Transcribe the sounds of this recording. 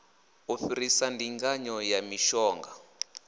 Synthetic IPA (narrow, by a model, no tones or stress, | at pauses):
ufiɾisandiŋɡaɲɔjamiʃɔːŋɡa